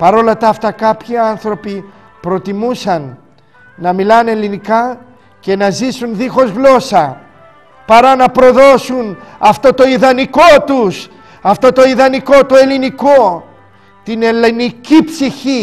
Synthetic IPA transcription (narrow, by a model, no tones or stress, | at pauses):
pɐɾo̞lɐt̪ɐːft̪ɐkɐpçiɐnθɾo̞pi | pɾo̞t̪imusɐnː | ɐmilɐne̞linikɐ | ce̞nɐzisunðixo̞zɣlo̞sɐ | pɐɾɐnɐpɾo̞ðo̞sunɐft̪o̞t̪o̞iðɐniko̞t̪us | ɐft̪o̞t̪o̞iðɐniko̞t̪oe̞liniko̞ | t̪inelinicipsiçi